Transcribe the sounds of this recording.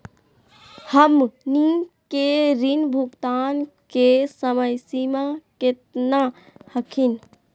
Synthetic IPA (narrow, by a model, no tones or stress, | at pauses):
həmnikeɾinbʱukt̪ankesəməjsimãket̪na | həkʰin